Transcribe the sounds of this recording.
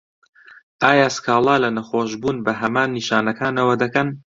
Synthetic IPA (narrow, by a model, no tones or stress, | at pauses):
ʔaːjaskʰaːlˠɑːlɐnɐxoːʃbuːnbɐɦɐmaːnːiʃaːnɐkʰaːnɐwɐd̪ɐkɐn